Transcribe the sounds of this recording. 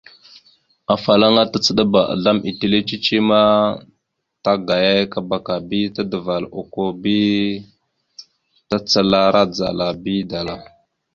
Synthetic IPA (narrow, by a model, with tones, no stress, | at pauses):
a˨fa˨la˦ŋa˦ta˦t͡sə˨ɗa˦ba˨ʔa̰˨ɮa˦mʔḭ˨ti˦le˦t͡ʃi˦t͡ʃi˦ma˦ | ta˦ɡa˨ja˦jka˦ba˨ka˨bi˦ta˦də˨va˨lo˨ko˦bi˦ | ta˦t͡sə˦la˦ɾa˦d͡za̰˨la˨bi˦da˨la˨